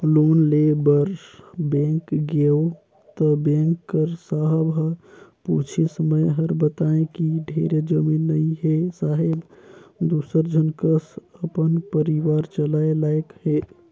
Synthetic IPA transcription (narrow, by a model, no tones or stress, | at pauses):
lonlebəɾbẽŋkɡeo | t̪əbẽŋkːəɾsaɦbʱəput͡ʃʰesəməjɦəɾbət̪aẽkiɖʱeɾed͡ʒəminːəiɦesaɦebd̪usəɾd͡ʒʱənkəsəpənpəɾiʋaɾt͡ʃəlaelaekɦe